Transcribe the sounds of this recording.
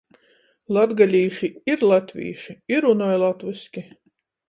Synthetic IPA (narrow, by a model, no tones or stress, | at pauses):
lˠad̪ɡalʲiːʃiiɾlˠat̪ʲvʲḭːʃiiɾunɔjlˠat̪viskʲi